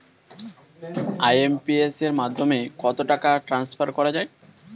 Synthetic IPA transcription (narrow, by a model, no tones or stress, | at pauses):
ajempieseɾmad̪ʱːomekɔt̪oʈakaʈɾansfaɾkɔɾad͡ʑae